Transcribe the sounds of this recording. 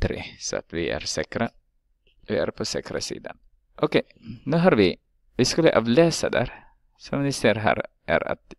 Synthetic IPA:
t̪ʰɾesɔa̰t̪vɪʔæɾsɛːkɾa | vɪæɾpʰɔsɛːkɾasḭːd̪an | ʔɔkʰɛj | nʉ̟ːɦaɾvɪ | vɪskɵlːəʔɑːvlɛːsad̪æːɾ | sɔmnɪseːɾɦæ̰ːɾ | ʔæ̰ɾa̰t̪

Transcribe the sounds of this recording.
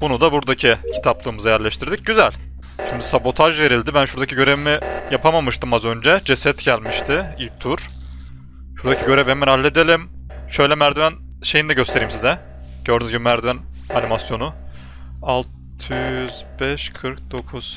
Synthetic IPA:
bunud̪abuɾd̪acʰicʰi̥t̪ʰaplˠɯːmɯzajæɾlʲɛʃt̪ʰiɾd̪ic̚ɟyzælʲ | ʃind̪isabo̞t̪ʰaʒve̞ɾilʲd̪ibænʃuɾd̪acʰiɟø̞ɾe̞vimijapʰamamɯʃt̪ɯmazø̞nd͡ʒɛd͡ʒesɛt̪ɟælʲmiʃt̪ʰɪilʲc̚t̪ʰuɾ̥ | ʃuɾd̪acʰiɟø̞ɾevɛmænhalʲːed̪elʲimʃø̞jlʲɛmæɾd̪yvæn | ʃe̞jind̪ɛɟøst̪eɾiːimsizɛ | ɟ̥øɾd̪ynyzɟibimæɾd̪yvæn | animasjo̞nu | alˠt̪ʰɯjyzbɛʃkʰɯɾk̚d̪o̞kʰuz̥

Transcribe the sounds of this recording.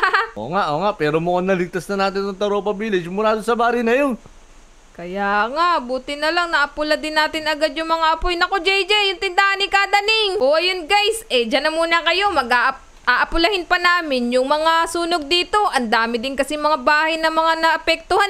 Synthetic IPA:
ʔo̰ːŋaʔoːŋaʔpɛːɾomʊʔonːɐlɪɡ̚t̪asnɐnaːt̪ɪnɐŋt̪ɐɾoʔpɐbiːlɪsɪmʊlaːd̪osɐbaːɾɪjnɐjon | kɐjaŋaʔbuːt̪ɪnɐlɐŋnɐʔɐpʊlɐd̪ɪnːaːt̪ɪnɐɡad̪̚jʊŋmɐŋaʔɐpojnɐkod͡ʒɛjd͡ʒɛjjʊnt̪ɪnd̪ahanɪkad̪ɐnɪŋʔoʔɐjonɡajsʔɛd͡ʒɐnɐmuːnɐkɐjo̞mɐɡaʔ | ʔaːʔɐpʊlɐhɪnpɐnaːmɪnjʊŋmɐŋasuːnoɡ̚d̪iːt̪o̞ʔɐnd̪aːmɪd̪ɪnkɐsimɐŋabaːhɐjnɐmɐŋanɐʔɐpɛk̚t̪ʊhan

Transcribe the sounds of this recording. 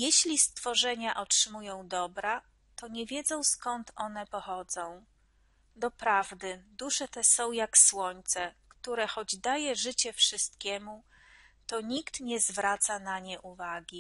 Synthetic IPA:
jɛɕlʲist̪fɔʐɛɲaʔɔtʂɘmujɔ̃w̃d̪ɔbɾa | t̪ɔɲɛvʲjɛd̪zɔ̃w̃skɔnt̪ɔnɛpɔxɔd̪zɔ̃w̃ | d̪ɔpɾavd̪ɘd̪uʂɛt̪ɛsɔ̃w̃jakswɔɲt̪sɛkt̪uɾɛxɔd͡ʑd̪ajɛʐɘt͡ɕɛfʂɘst̪̚kʲɛmu | t̪ɔɲikt̪ɲɛzvɾat̪sanaɲɛʔuvaɡʲi

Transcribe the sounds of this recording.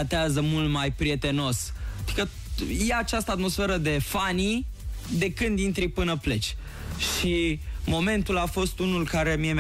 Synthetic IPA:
at̪eazəmult̪majpɾije̞t̪e̞no̞st̪ikə | jeat͡ʃast̪əat̪mo̞sfe̞ɾəd̪e̞fanid̪e̞kɨnd̪int̪ɾipɨnəple̞t͡ʃʲ | ʃimo̞me̞nt̪ulafo̞st̪unulkaɾe̞miem

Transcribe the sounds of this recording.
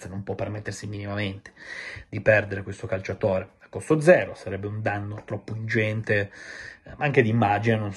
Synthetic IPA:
senompwɔpːermet̪ːersiminimament̪e̥d̪ipɛrd̪eɾekwest̪okalt͡ʃat̪oːɾeakːost̪od̪zɛːɾosaɾɛbːeund̪anːot̪ɾɔpːoind͡ʒɛnt̪e | maaŋked̪iːmːaːd͡ʒinenon

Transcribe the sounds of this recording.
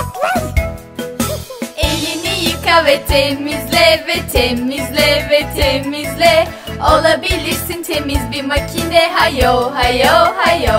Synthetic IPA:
elːinijɯkavɛt̪ʰemizlʲɛvɛt̪ʰemizlʲɛvɛt̪ʰemizlʲɛ | olˠabilʲiɾsint̪ʰemizbimacʰinɛɦajoɦajohajo

